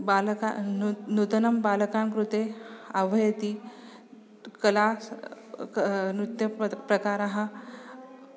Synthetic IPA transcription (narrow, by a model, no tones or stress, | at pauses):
balka̰nut̪ənɐmbalkamkɾut̪eəʋʱɐjt̪iː | kɐlas | nut̪jɐpɾəkaːɾaɦa